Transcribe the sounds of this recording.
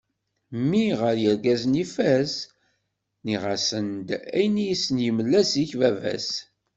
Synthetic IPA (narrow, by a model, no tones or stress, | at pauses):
mːiʁəɾjəɾɡæznifæs | niʁasənd̪æ̰jnijisnjəməlːæsiçvævæ̰s